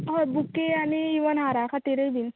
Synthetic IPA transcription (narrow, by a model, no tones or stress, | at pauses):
ɦɔbukeaniiʋənɦaɾakʰat̪eɾəjbin